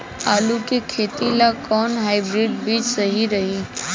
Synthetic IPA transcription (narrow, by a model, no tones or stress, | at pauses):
aːlukekʰeːt̪ilakɔːnɦaːɪbɾiːɖbiːd͡ʒsəɦiɾɐɦi